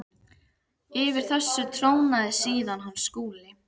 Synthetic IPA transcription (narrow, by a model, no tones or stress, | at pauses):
ɪvɪɾ̥θɛsːʏt̪ʰɾoːwnaðɪsiːðanɦanːskuːlɪ